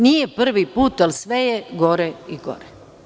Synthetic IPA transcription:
nijepr̩ʋipuːt̪alisʋejeɡoɾeiɡo̰ɾe

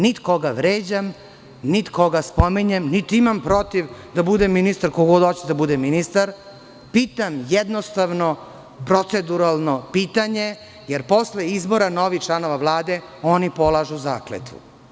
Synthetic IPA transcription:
nit̪ko̞ɡaʋɾeːd͡ʑam | nit̪ko̞ɡaspomiɲemnit̪iimampɾo̞t̪iʋd̪abud̪emːinist̪aɾkoɡod̪ot͡ɕed̪abud̪eminist̪aɾ | piːt̪amjɛd̪nost̪aʋno̞ | pɾot̪sed̪uɾalˠnopiːt̪aɲe̞ | jeɾpo̞sleizbo̞ɾanoʋit͡ʃlˠano̞ʋaʋlˠaːd̪e | onipo̞lˠaʒuza̰ːklḛt̪ṵ

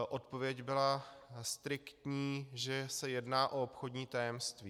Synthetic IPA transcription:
ʔo̞t̪po̞vjɛcbɪlast̪ɾɪkt̪ɲiːʒɛsɛjɛdnaːʔoopxo̞dɲiːt̪ajɛmst̪viː

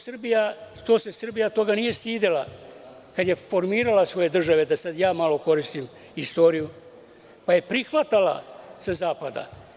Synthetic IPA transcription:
sɨr̩bijat̪o̞ːse̞sr̩bijat̪o̞ɡanije̞st̪iːd̪ela | kad̪je̞fo̞ɾmiːɾalasʋo̞je̞d̪r̩ʒaʋe̞d̪asad̪jaːmalo̞ko̞ɾist̪im | ist̪o̞ːɾiju | paje̞pɾixʋat̪ala̰sazaːpad̪a̰

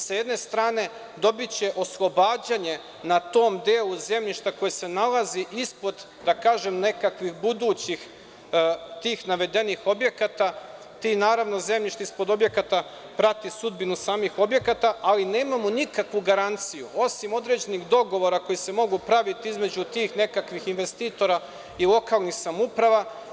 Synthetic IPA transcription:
sjed̪ne̞st̪ɾaːne̞ | d̪o̞bit͡ɕe̞ʔo̞slˠo̞baːd͡ʑaɲe̞ | nat̪o̞ːmd̪eːlˠuze̞mʎiʃt̪ako̞jese̞nalˠaziʔispo̞d̪ | d̪akaːʒemne̞kakʋixbud̪uːt͡ɕix | t̪iːxnaʋe̞d̪e̞nixo̞bje̞kat̪a | t̪inaːɾaʋno̞ze̞mʎiʃt̪aispo̞d̪o̞bje̞kat̪a | pɾat̪isud̪binusaːmixo̞bje̞kat̪aʔaline̞ːmamonikakʋuɡaɾant̪sijuʔo̞simo̞d̪ɾe̞d͡ʑeniɣd̪o̞ɡo̞ʋo̞ɾako̞jise̞mo̞ɡupɾaʋit̪iizme̞d͡ʑut̪iːxne̞kakʋixinʋe̞st̪iːt̪o̞ɾa | ilˠo̞kaːlˠnixsamupɾaʋa

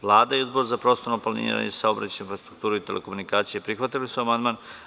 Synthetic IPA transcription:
ʋlˠaːd̪aiuzboɾzapɾo̞ːst̪oɾnoplanḭɾa̰ɲesaobɾa̰t͡ɕeinfɾast̪ɾukt̪uːɾuit̪e̞le̞̰komunikaːt̪sijepɾixʋat̪ilisuamand̪maːn

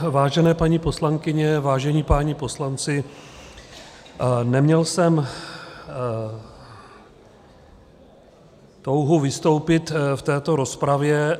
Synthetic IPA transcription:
vaːʒɛnɛːpaɲiːpo̞slaŋkɪɲɛvaːʒɛɲiːpaːɲipo̞slant͡sɪ | nɛmɲɛlsɛm | t̪o̞wɦuvɪst̪o̞wpɪt̪ft̪ɛːt̪o̞ɾo̞spɾavjɛ

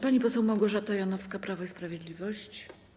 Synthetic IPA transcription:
paɲipɔsɛwmawɡɔʐat̪ɔjanɔfskapɾavaispɾavʲjɛd̪lʲivɔɕt͡ɕ

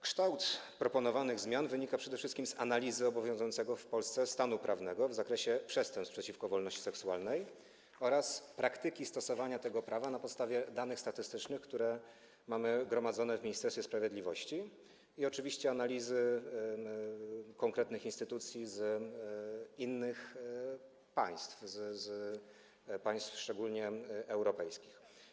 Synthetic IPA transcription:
kʂt̪awt̪pɾɔpɔnɔvanɘɣzmʲjanvɘɲikapʂɛd̪ɛfʂɘst̪kʲimzanalʲizɘɔbɔvʲjɔ̃w̃zujɔnsɛɡɔfpɔlst̪sɛst̪anupɾʔavnɛɡɔvzakɾɛɕɛpʂɛst̪ɛmpspʂɛt͡ɕifkɔvɔlnɔɕt͡ɕisɛksuwa̰lnɛj | ɔɾaspɾʔakt̪ɘkʲist̪ɔsɔvaɲat̪ɛɡɔpɾavanapɔt̪st̪avʲjɛd̪anɘxst̪at̪ɘst̪ɘt͡ʂnɘxkt̪uɾɛ | mamɘɡɾɔmad̪zɔnɛvmʲiɲist̪ɛɾsʲɛspɾavʲjeɛd̪lʲivɔɕt͡ɕi | iɔt͡ʂɘvʲiɕt͡ɕɛanalʲizɘ | kɔŋkɾɛt̪nɘxinst̪ɘt̪ut̪sʲjiz | inːɘx | pa̰j̃st̪fzz | paj̃st̪fʂt͡ʂɛɡulɲɛʔɛwɾɔpɛjskʲix

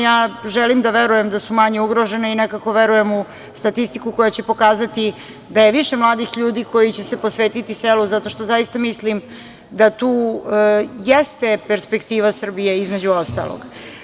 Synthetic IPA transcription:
jaːʒɛlimd̪aʋeɾuje̞md̪asumaɲeuɡɾo̞ʒe̞neinekako̞ʋeɾuje̞mu | st̪at̪ist̪ikuko̞jat͡ɕe̞po̞kaːzat̪i | d̪aje̞ʋiʃe̞mlˠaːd̪ixʎuːd̪iːko̞jit͡ɕese̞posʋeːt̪it̪iseluzat̪o̞ʃt̪o̞zajist̪amislim | d̪at̪uː | jest̪e̞peɾspe̞kt̪iːʋasr̩bije̞izme̞d͡ʑuost̪a̰lˠo̰ɡ̥

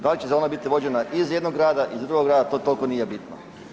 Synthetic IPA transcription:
d̪alit͡ɕezonabit̪iʋo̞d͡ʑe̞naʔizje̞d̪noɡɾaːd̪aʔizd̪ɾuɡoɡɾaːd̪at̪o̞t̪o̞lko̞niːje̞bit̪no

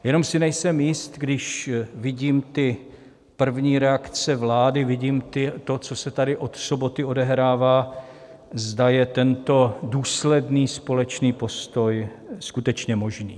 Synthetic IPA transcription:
jɛno̞msɪnɛjsɛmjɪst̪ɡdɪʃvɪɟiːmt̪ɪ | pr̩vɲiːɾɛakt͡sɛvlaːdɪvɪɟiːmt̪ɪt̪o̞t͡so̞sɛt̪adɪʔo̞t̪so̞bo̞t̪ɪo̞dɛɦɾaːvaː | zdajɛt̪ɛnt̪o̞duːslɛdniːspo̞lɛt͡ʃniːpo̞st̪o̞j | skut̪ɛt͡ʃɲɛmo̞ʒniː

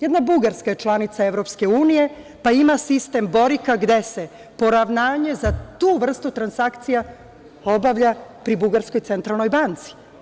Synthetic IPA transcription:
jed̪nabuɡaɾskaje̞t͡ʂlˠanit̪saeʋɾo̞pske̞uːnije̞ | paimasist̪e̞mbo̞ɾikaɡd̪e̞se | po̞ɾaʋnaːɲe̞zat̪uːʋr̩st̪ut̪ɾansakt̪sija | o̞baʋʎapɾibuɡaɾsko̞jt̪se̞nt̪ɾalˠno̞jbant̪si̥

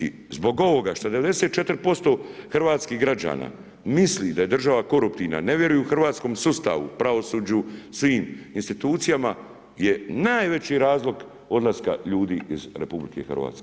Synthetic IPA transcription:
ḭ | zbo̞ɡo̞ʋo̞ɡaʃt̪ad̪e̞ʋe̞d̪eset̪̚t͡ʃe̞t̪ɾ̩po̞st̪o̞ːxr̩ʋaːt̪skiːɦɡɾad͡ʑa̰ːna̰ː | mislid̪aje̞d̪r̩ʒaʋako̞ɾupt̪iʋna̰ne̞ʋje̞ɾujuuxr̩ʋaːt̪sko̞msust̪a̰ʋṵpɾaʋo̞suːd͡ʑusʋiːminst̪it̪uːt̪sijama | je̞naːjʋe̞t͡ɕiɾaːzlˠo̞ɡ | o̞d̪lˠaska̰ʎuːd̪iːizɾe̞publike̞̰xr̩ʋa̰ːt̪ske

